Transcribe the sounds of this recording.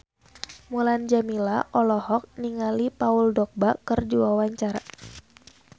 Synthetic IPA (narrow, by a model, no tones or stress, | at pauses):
muland͡ʒamilaʔɔlɔhɔk̚niŋalipauldɔk̚bakərd͡ʒuawaɲt͡ʃaɾa